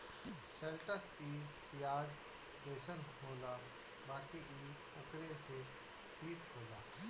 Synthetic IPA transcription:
selʈəsiː | pijaːd͡ʒ | d͡ʒeːsənɦoːla | baːkiʔiː | ʊkɾese | t̪iːt̪ɦoːla̰ː

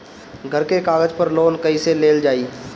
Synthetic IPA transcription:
ɡʱəɾkekaːɡəd͡ʒpəɾloːnkɐiseleːld͡ʒaːiː

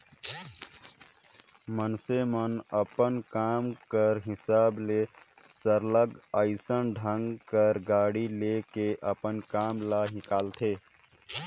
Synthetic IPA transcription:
mənsemənəpənkamkəɾɦɪsaːble | səɾləɡəɪsənɖʱəŋɡkəɾɡaɽilekeʔəpənkaːmlaɦɪkaːlt̪ʰe

